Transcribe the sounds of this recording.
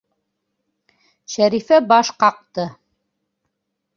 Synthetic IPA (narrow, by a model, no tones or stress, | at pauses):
ʃæɾifæbɑʃqɑq̚t̪ɤ